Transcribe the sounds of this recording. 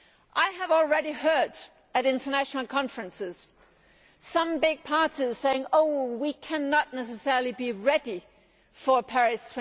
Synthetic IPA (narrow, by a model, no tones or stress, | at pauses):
ʔaɪəvl̩ˠɹɛɾihɜ˞ɾ | ɨɾɪ̃ntə˞næʃn̩l̩ˠkʰɑ̃ɱfɹɨ̃nsɪz̥ | sʌ̃mbɪɡ̚pʰɑɹɾiz̥seɪɪ̃ŋoʊwikʰæ̃nətⁿnɛs̬ɨsɛɹl̩ˠibiɹɛdi | fə˞pʰæɹɪstʰw̥̃